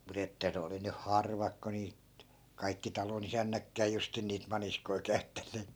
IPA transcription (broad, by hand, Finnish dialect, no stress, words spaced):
mut etːæ ne oli nyh hɑrʋɑk ko niːt kɑikːi tɑlonisænːækːæː justin niːt mɑniskoi kæy̞tːænːeːt